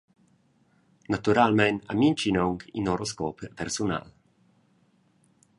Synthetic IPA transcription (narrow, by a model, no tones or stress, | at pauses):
nat̪uɾalmɛna̰mint͡ʃinɔŋkḭnoɾoskɔppɛɾsuna̰l